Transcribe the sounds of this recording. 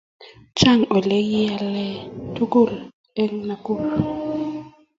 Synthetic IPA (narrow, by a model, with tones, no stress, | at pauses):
t͡ʃa˦˨ŋɔ˨lɛ˦ji˦a˨lɛ˦tu˦ɡo˦˨l | ɛ˦ŋna˨ku˦˨k